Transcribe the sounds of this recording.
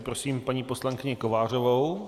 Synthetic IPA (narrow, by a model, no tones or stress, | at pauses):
pɾosiːmpaɲiːposlaŋkɪɲɪko̞vaːr̝ovow